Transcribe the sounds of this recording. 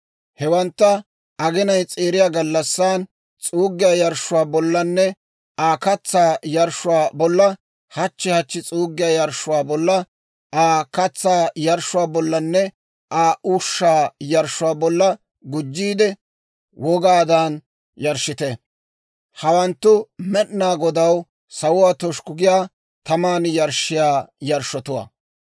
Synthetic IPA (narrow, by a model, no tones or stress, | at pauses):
hɛwɐnt̪ːɐ | ɐɡɪnɐjt͡sʼeːɾɪjaːɡɐlːɐsːaːn | t͡sʼuːɡːɪjaːjɐɾʃʊwaːbɔlːɐnːɛ | aːkɐt͡sːaːjɐɾʃʊwaːbɔlːɐ | hɐt͡ʃːɪhɐt͡ʃːɪt͡sʼuːɡːɪjaːjɐɾʃːʊwaːbɔlːɐ | aːkɐt͡sːaːjɐɾʃʊwaːbɔlːɐnːɛ | ʔaːʔuːʃːaːjɐɾʃʊwaːbɔlːɐ | ɡʊd͡ʒːiːd̪ɛ | wɔɡaːd̪aːn | jɐɾʃɪt̪ɛ | hɐwɐnt̪ːʊmɛʔnaːɡɔd̪ɐw | sɐwʊwaːt̪ɔʃkʊɡɪjaː | t̪ɐmaːnjɐɾʃɪjaːjɐɾʃɔt̪ʊwa̰ː